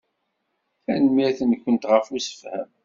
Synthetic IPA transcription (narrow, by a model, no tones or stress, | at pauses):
θænmiθənkʷːənt̪ʁəfusə̥fhæ̰m